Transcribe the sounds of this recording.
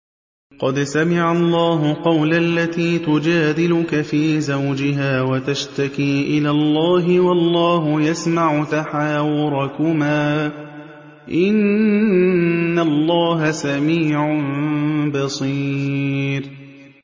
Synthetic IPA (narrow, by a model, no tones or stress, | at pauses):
qɑd̪samɪʕalˤːɑːɦʊqɑwlalːat̪iːt̪ʊd͡ʒaːd̪ɪlʊkafiːzawd͡ʒɪɦaːwat̪aʃt̪akiːʔɪlaːlˤːɑːɦɪwɑlˤːɑːɦʊjasmaʕʊt̪aħaːwɪɾˤɑkʊmaː | ʔɪn | alːɑːɦasamiːʕʊnbɑsˤiːɾ